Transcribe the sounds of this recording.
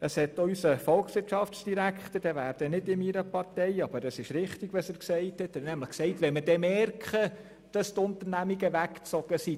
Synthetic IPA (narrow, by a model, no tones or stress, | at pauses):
əshɛtɔʏsəfɔlkχsʋɪɾtʃɑft͡sd̥iɾækχt̪əd̥ɛvæːɾd̥ənɪdɪniɾəpɑrtɛjɑb̥əɾəsɪʃɾɪχtiɡ̥ʋɑsəːɾksɛɪthɛtnæmləχksɛɪtʋɛməd̥ɛmɛrkχə | d̥ɑst̪ʊntəɾnæmiɡəʋækt͡sɔɡəsi